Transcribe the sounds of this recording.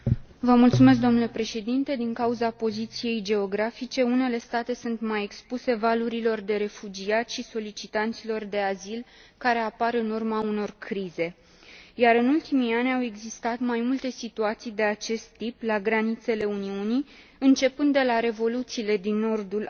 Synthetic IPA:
vəmult̪sumes̬d̪onule̞pɾe̞ʃe̞d̪int̪e̞d̪iŋkauzapo̞zit̪sije̞jd͡ʒe̞o̞ɡɾafit͡ʃe̞une̞le̞st̪at̪e̞sunt̪maje̞kspuse̞valuɾilo̞rd̪e̞ɾe̞fud͡ʒiat̪ʲʃiso̞lit͡ʃit̪ant̪silo̞rd̪e̞azilkaɾe̞apaɾɨnurmauno̞rkɾize̞ | jaɾɨnult̪imianʲawe̞ɡzist̪at̪majmult̪e̞sit̪uat̪sijd̪e̞at͡ʃe̞st̪ːiplaɡɾanit̪se̞le̞uniuni | ɨnt͡ʃe̞pɨnd̪ːe̞laɾe̞vo̞lut̪siːle̞d̪inːo̞rd̪ul

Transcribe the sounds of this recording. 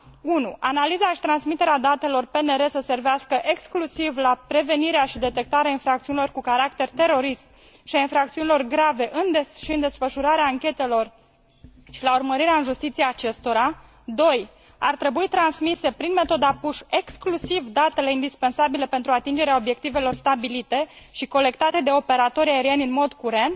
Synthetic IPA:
unuʔanalizaʃi̥t̪ɾansmit̪e̞ɾead̪at̪e̞lo̞rpene̞ɾe̞səse̞rveaskəʔe̞ksklusivlapɾe̞ve̞niɾeaʃid̪e̞t̪e̞k̚t̪aɾeainfɾak̚t̪siunilo̞rkukaɾakt̪e̞rt̪e̞ɾo̞ɾism | ʃiainfɾak̚t̪siunilo̞rɡɾave̞ʔɨneʃiɨnd̪e̞sfəʃuɾaɾeaːŋkʲe̞t̪e̞lo̞r | ʃilaurməɾiɾeaɨnʒust̪it̪sieat͡ʃe̞st̪o̞ɾa | d̪o̞j | a̰rt̪ɾe̞buit̪ɾansmise̞pɾinme̞t̪o̞d̪apuʃe̞ksklusivd̪at̪e̞le̞ind̪ispe̞nsabile̞pe̞nt̪ɾuat̪ind͡ʒe̞ɾeao̞bje̞kt̪ive̞lo̞rst̪abilit̪e̞ʃiko̞le̞k̚t̪at̪e̞d̪e̞o̞pe̞ɾat̪o̞ɾiaeɾienʲɨnmo̞d̪kuɾe̞nt̪

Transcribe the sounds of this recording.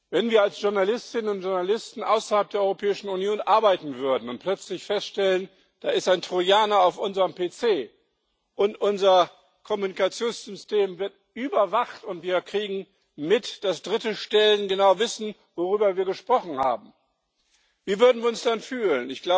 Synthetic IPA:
vɛnviːɐalsʒ̥ʊɐnalɪstɪnənʊntʒ̥ʊɐnalɪstn̩ʔaʊsɐhalp̚d̥eɐɔʁopʰɛːɪʃn̩unjoːnʔaɐbaɪtn̩vʏɐdn̩ʊnt̚pʰl̥œt͡slɪçfɛstʃtɛlən | d̥aːɪstaɪntʁ̥ojaːnaaʊfʔʊnzəʁəmpeːt͡seː | ʔʊntʔʊnzɐ | kʰɔmunikat͡sjoːnsz̥ʏsteːmvɪɐtʔyːbɐvaχtʊntv̥iːɐkʁ̥iːɡŋ̩ | mɪtd̥asd̥ʁɪtəʃtɛlənɡənaʊvɪsn̩ | voʁyːbɐviːɐɡəʃpʁ̥ɔχn̩ha̰ːbm̩ | viːvʏɐdn̩viɐʊnsd̥anfyːlənɪçɡ̥la

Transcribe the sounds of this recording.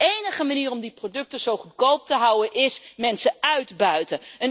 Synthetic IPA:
ejnəχəmaniːrɔmdiprodɵk̚təz̥owχutkowp̚təɦʌwənʔɪsmɛnsəœɥdbœɥtəən

